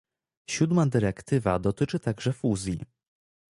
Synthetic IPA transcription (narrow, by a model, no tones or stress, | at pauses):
ɕud̪mad̪ɘɾɛkt̪ɘva̰d̪ɔt̪ɘt͡ʂɘt̪aɡʐɛfuzʲji